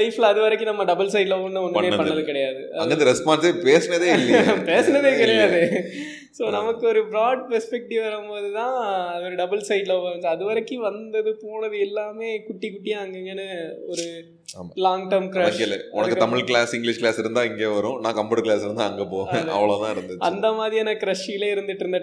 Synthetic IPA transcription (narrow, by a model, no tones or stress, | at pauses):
sɐɪflɐɐðɯʋɐɾɐkːɯnɐmːɐɖɐbɐlsɐɪɖlɐnd̪ɯɔnd̪ɐmeːɐpɐɳːɐðɯkɪɽɐjaːðɯʔɐɐŋɡɐɪnd̪ɐɾɛspaːɳɖsepeːsɐnɐðeːɪlːɐjapeːsɐnɐðeːkɪɽɐjaːðɯ | soːnɐmɐkːɯɔɾɯbɪɾaːɖ̚pɛɾspɛk̚ʈiʋɐɾɯmpoːðɯt̪ãːɐðɯɔɾɯɖɐbɐlsɐɪɖlɐʋɐɯŋɡɐɐðɯʋɐɾɐkːɯʋɐnd̪ɐðɯpoːnɐðɯɛlːaːmeːkʊʈːikʊʈːɪjaːŋɡeŋɡɐnːɯɔɾɯ | aːmalaːŋɡʈɐɾmkɾɐkːɪlːɐ̰ɔnɐkkːɯt̪ɐmɪɭkɭaːsɪŋɡlɪʂkɭaːsɪɾɯnd̪ãːɪŋɡeːʋɐɾʊ̃nãːkɐmbɐɽɐɾkɭaːsɪɾɯnd̪aɐŋɡepoːðɐ̰ʋɐɭoːt̪ãːɪɽɐnd̪ɯt͡ʃːɐ̰nd̪ɐmaːðɾiɐːnɐkɪɾɐʂːɪɪleːɪɾɯnd̪ɯʈːɪɾɯnd̪ɐ